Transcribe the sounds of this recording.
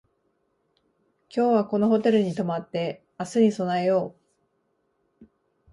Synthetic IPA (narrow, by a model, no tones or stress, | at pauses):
kʲo̞ːβako̞no̞ɦo̞t̪e̞ɾɯ̟ɲ̟it̪o̞mat̪ːe̞ | asɨɲ̟iso̞naejo̞ː